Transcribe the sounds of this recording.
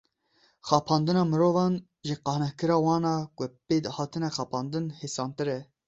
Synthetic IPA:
xɑːpʰɑːnd̪ɨnɑːmɨɾoːvɑːn | ʒəqɑːhnɛhkɨɾɑːwɑːnɑːkʷʊpeːd̪hɑːt̪ʰɨnɛxɑːpʰɑːnd̪ɨnheːsɑːnt̪ɨɾɛ

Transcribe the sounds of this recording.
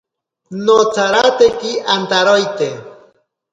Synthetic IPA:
not͡saɾat̪ekiʔant̪aɾojt̪e

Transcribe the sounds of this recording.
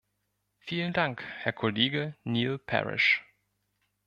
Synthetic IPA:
fiːləndaŋkhɛɐkʰoleːɡəniːlpʰɛ̰ʁɪ̰ʃ

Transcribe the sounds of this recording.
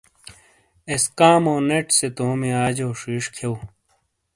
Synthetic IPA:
eskaːmoːneʈset̪oːmiaːd͡ʑoːʂiːʂkʰew

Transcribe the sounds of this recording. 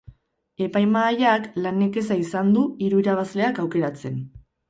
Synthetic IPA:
e̞pajmaːʎaklaneke̞saisand̪uiɾuiɾaβazle̞akawke̞ɾat͡se̞n

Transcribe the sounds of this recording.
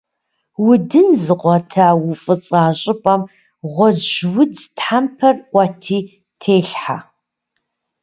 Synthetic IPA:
wʊdɨnzɨqʷɔtʰawʊfʼɨt͡sʼaːɕʼɪpʼɐm | ʁʷɔd͡ʒwʊt͡sʰtħampʰɐrʔʷʼɐtʰiː | tʰeːɬħa̰

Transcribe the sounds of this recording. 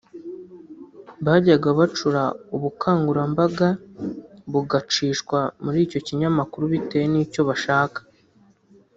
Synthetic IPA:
βaːɟaɡaβat͡ʃuɾauβukʰaːŋɡuɾambaɡa | βuɡat͡ʃiːʃkwamuɾiːco̞ciɲamakuɾuβite̞jeniːco̞βaʃaːkḁ

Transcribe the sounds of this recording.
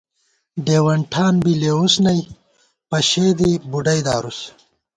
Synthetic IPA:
ɖeːwɐɳʈʰaːnbileusnɐj | pɐɕeːd̪ibuɖɐjd̪a̰ːɾus

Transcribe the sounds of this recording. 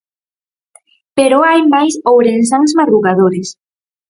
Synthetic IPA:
peɾoajmajsowɾens̬aŋsmaðɾuɣaðoɾes

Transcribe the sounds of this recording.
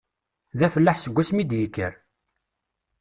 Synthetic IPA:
ðæfəlːəħsəɡʷːæsmid̪jəkːə̰ɾ

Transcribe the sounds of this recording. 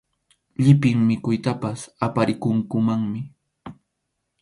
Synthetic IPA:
ʎɪpɪŋmɪkʊjt̪apasapaɾɪkʊŋkʊmaŋmɪ

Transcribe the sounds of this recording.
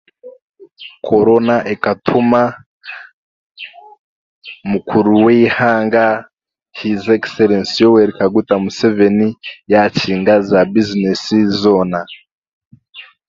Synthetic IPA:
kʰo̞ɾo̞naʔekatʰuma | mukʰuɾuwehaːŋɡa | hizekseɾensijoweɾikaɡutamusevenijaciːŋɡazabizinesizoːna

